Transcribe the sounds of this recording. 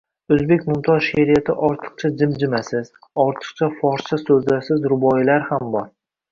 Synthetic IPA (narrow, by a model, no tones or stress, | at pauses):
ɵzbe̞kʲmʊmt̪ʰɒɾʃeɾijat̪ʰɪʔɒɾt̪ʰɨ̥q̚t͡ʃʰad͡ʒɪmd͡ʒɪmasɪz | ɒɾt̪ʰɨ̥q̚t͡ʃʰafɒɾt͡ʃʰasɵzlasɪzɾʊbɒjɪlaɾhambɒɾ